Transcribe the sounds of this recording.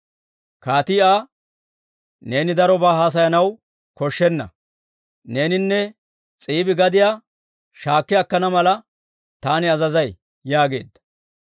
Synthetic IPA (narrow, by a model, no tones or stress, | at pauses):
kaːt̪ɪʔaː | ne̞ːnɪd̪ɐɾɔbaːɦaːs̬ɐjɐnɐw | kɔʃːɛnːɐ̰ | ne̞ːnɪnːɛ | t͡sʼiːbɪɡɐd̪ɪjaː | ʃaːkːɪjɐkːɐnɐmɐlɐ | t̪aːnɪɐzɐzɐj | jaːɡe̞̰ːd̪ːɐ̥